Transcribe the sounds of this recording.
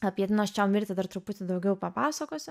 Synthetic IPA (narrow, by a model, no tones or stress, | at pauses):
ɐpʲiɛt̪ʲɪnoːsʲt͡ʃʲɛʊmʲɪɾʲt̪ʲɪd̪ɐɾt̪ɾʊpʊt̪ʲɪd̪ɐʊɡʲɛʊpɐpɑːsɐkoːsʲɪ